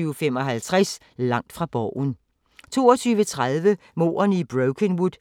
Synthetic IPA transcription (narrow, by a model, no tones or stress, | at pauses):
yːʊfem̰ɒ̽ɦælt͡sʰʁas | lɑ̈ŋ̰d̥fʁɑ̈b̥ɒʊ̰n | t͡sʰo̝ːɒt͡sʰyːʋət͡sʰʁaðˠʋə | mo̝̰ːɐnib̥ʁoʊkʰenwud̥ˠ